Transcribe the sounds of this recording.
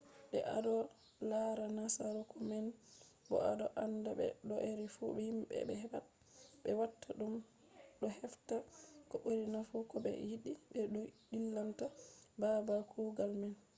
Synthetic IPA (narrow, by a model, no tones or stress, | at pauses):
ɓɛ̰ʔa̰dɔ | laɾanasaɾukɔmɛn | bɔ̰adɔʔandabɛ̰ɗɔʔeɾifubɛhimbɛ̰bɛhɛba | bɛwatːaɗum | ɗɔhɛftakɔɓoɾinafukɔbɛ̰jiɗibɛɗɔɗilːamtababakʰuɡalmɛn